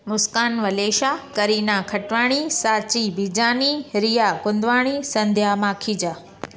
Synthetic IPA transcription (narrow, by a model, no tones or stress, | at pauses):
mʊskaːnʋɐleːʃakɐɾiːnakʰɐʈʋaːɽ̃isaːt͡ɕibiːd͡ʑaːniɾijakʊ̃nd̪ʋaːɽ̃isɐ̃nd̪ʱjamaːkʰiːd͡ʑaː